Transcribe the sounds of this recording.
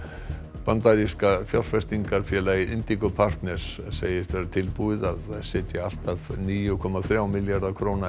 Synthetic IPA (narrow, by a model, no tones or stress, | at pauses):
pant̪aɾiskafjawl̥fɛst̪iŋkaɾ̥fjɛːlaiʔɪnt̪ikɔpʰar̥t̪nɛ̥s | sḛːjɪst̪ʰvɛɾat̪ʰɪlpuɪðaðsɪːt̪jɪal̥t̪aðniːjʏkʰɔmaθɾjaːwmɪljaɾðakʰɾowna